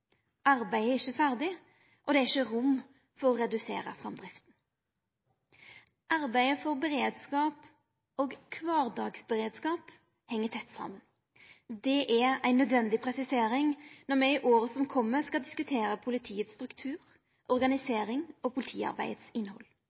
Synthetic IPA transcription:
ʔɑɾbæɪæɪçəfæʁd̪ɪ | ʔɔd̪ɛæɪçːəʁʊmː | fɔʁɔʁɛd̪ʉsḛːʁə̰fʁɑmd̪ʁɪft̪n̩ | ʔɑɾbæɪəfɔʁbɛʁeːd̪skɑːp | oːɡkʰʋɑːʁd̪ɑːɡsbəʁeːd̪skɑːp | hɛŋːət̪ʰɛt̪ːsɑ̰mən | d̪ɛʔɛɾæɪnːœd̪ʋɛnd̪ɪpʰʁɛsɪseːɾɪŋnɔʁmɛɪʔoːʁəsɔmkʰɔmːəskɑld̪ɪskʉt̪ʰeːɾəpʰʊlɪt̪ʰiːət̪st̪ʁʉkt̪ʰʉːʁ | ʔɔʁɡɑnɪseːʁɪŋɔpʰʊlɪt̪ʰḭːɑ̰ʁbæ̰ɪət̪sɪnːhɔ̰l

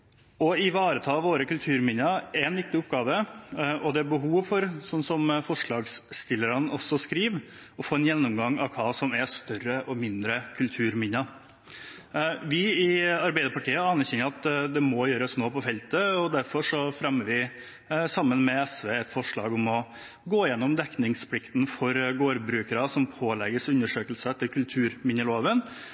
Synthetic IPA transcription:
ɔɪʋɑːɾət̪ʰɑːʋoːɾəkʉlt̪ʰʉːɾmɪnəɛnʋɪk̚t̪ɪʊpɡɑːʋəɔd̪ɛæɾbəɦuːʋfɔɾsɔnːsɔmfɔʂɭɑːɡst̪ɪlːəɾənʔɔsːɔskɾiːʋ | ɔfoːɛnjɛnːʊmɡɑŋːɑ̰ʋkʰɑːsɔmɛst̪œrːəʔɔmɪnd̪ɾəkʰʉlt̪ʰʉːɾmɪnːə | ʋɪɪɑɾbæɪd̪əɾpɑʈiːəɑnːəɾçɛnəɾɑt̪d̪ɛmɔjøːɾəsnoːpɔfɛlt̪əɔd̪æɾfɔʂɔfɾɛmːəɾʋɪ | sɑmːənmɛɛsʋeːɛt̪fɔʂɭɑ̰ːɡɔmɔ | ɡoːɪjɛnːɔmd̪ɛknɪŋspʰlɪkt̪n̩fɔɾɡoːɾbɾʉːkəɾɑsɔmpʰoːlɛɡəsʉnːəʂøːkəlsəɛt̪ʰːəkʰʉlt̪ʰʉːɾmɪnəloːʋən

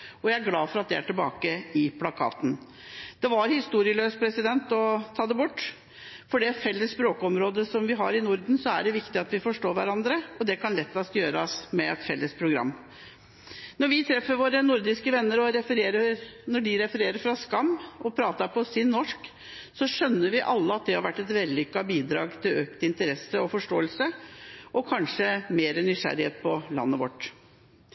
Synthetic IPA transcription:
ɔjæɪæɾɡlɑːfɔɾɑt̪̚d̪ɛæ̰ʈɪlbɑ̰ːkəɪpʰlɑkʰɑ̰ːt̪n̩ | d̪̥ɛʋɑɾhɪst̪uːɾɪəløːspʰɾɛsɪd̪ɛnt̪ɔt̪ʰɑːd̪ɛbʊʈː | fɔɖɛfɛlːəssːpɾoːkəɔmɾoːd̪əsɔmʋɪɦɑɾɪnʊɾd̪n̩sɔæɖɛʋɪkt̪ɪɑt̪ʋɪfɔʂʈoːʋæɾɑnd̪ɾəɔd̪ɛkʰɑnlɛt̪ːɑsjøːɾɑsmɛɛt̪fɛlːəspʰɾʊɡɾɑ̰mː | nɔɾʋɪt̪ʰɾɛfːəɾʋoːɾənʊɾd̪ɪskəʋɛnːəɾɔɾɛfəɾeːɾəɾnɔɖɪɾɛfəɾeːɾəɾfɾɑskɑmːɔpʰɾɑːt̪ɑɾpʰɔsɪnːɔʂk | sɔʂœnːəɾʋɪʔɑlːəɑt̪̚d̪ɛhɑɾʋæʈːɛt̪ʋɛlːʏkːɑbiːd̪ɾɑ̰ːɡt̪ʰɪløːk̚t̪ɪnt̪əɾɛsːəɔfɔʂʈoːəlsəʔɔkʰɑnʂəmeːɾənʏʂæ̰ɾɪheːt̪̚pʰɔlɑ̰nːəʋɔ̰ʈː

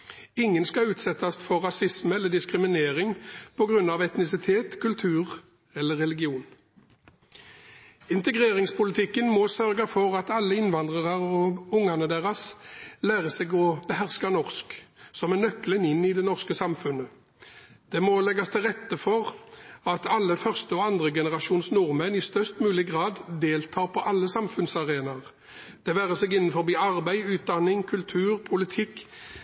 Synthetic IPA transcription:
ɪŋːənskɑʉːt̪sɛt̪ɑst̪fɔʁʁɑsɪsməɛlːəd̪ɪskʁɪmɪneːʁɪŋpʰɔɡʁʉnːɑʋɛt̪nɪsɪt̪ʰeːt̪kʰʉlt̪ʰʉːʁ | ɛlːəʁɛlɪɡɪuːn | ɪnt̪əɡʁeːʁɪŋspʰʊlɪt̪ʰɪkːənmɔsœʁɡɑfɔʁɑt̪ɑlːəɪnʋɑnd̪ʁəʁɑʁɔʊŋɑnəd̪eːʁɑslæːʁəsɛɡɔbəhæʁskɑnɔʁsksɔmɛnœklənɪnːɪd̪ɛnɔʁskəsɑmfʉnə | d̪̥ɛmɔlɛɡɑst̪ʰɪlʁɛt̪ːəfɔʁɑt̪ɑlːəfœʁst̪əɔɑnd̪ʁəɡɛnəʁɑʃuːnsnuːʁmɛnɪst̪œʁst̪mʉːlɪɡʁɑːd̪d̪eːlt̪ʰɑːʁpʰɔʔɑlːəsɑmfʉnsɑʁeːnɑʁ | d̪̥ɛʋæːʁəsɛːɡɪnːnfɔʁbiːɑʁbæɪʉːt̪̚d̪ɑnːɪŋkʰʉlt̪ʰʉːʁpʰʊlɪt̪ʰɪkː

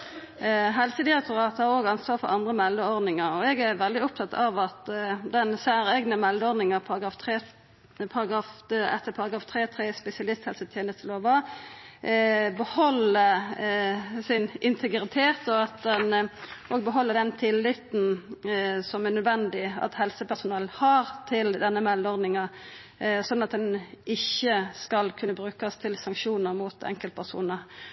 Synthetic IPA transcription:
ɦɛlsəd̪ɪɾɛk̚t̪ʊɾɑːt̪hæɾoːɡɑnsʋɑːɾfɔ̰ʔɑnd̪ʁəmɛld̪əɔɾd̪nɪŋəɾɔɛɡæɾʋɛld̪ɪʊp̚t̪ʰɑt̪ːɑʋɑt̪d̪ɛnsæːɾɛɡnəmɛld̪əɔɾd̪nɪŋəpʰɑɾɑɡɾɑːft̪ʰɾeː | pʰɑɾɑɡɾɑːfɛ̰t̪ːəpʰɑɾɑɡɾɑːft̪ʰɾeːt̪ʰɾeːspɛsɪɑlɪst̪hɛlsət̪ʰjeːnəst̪əloːʋɑ | bəhɔlːəɾ | sɪnɪnt̪ʰəɡɾɪt̪ʰeːt̪ɔɑt̪̚d̪ɛnʔoːɡbəɦɔlːəʁd̪ɛnt̪ʰɪlːɪt̪n̩ | sɔmænœd̪ʋɛnd̪ɪɑ̰t̪hɛlsəpʰæsʊnɑlhɑʁt̪ʰɪld̪ɛnːəmɛlːɔɾd̪ɪŋɑ | sɔnːɑt̪̚d̪ɛnʔɪçːəskɑlkʰʉnːəbɾʉːkəst̪ʰɪlsɑŋkʂuːnəʁmut̪ʰɛ̰ŋkəlt̪pʰæʁsṵːnəʁ

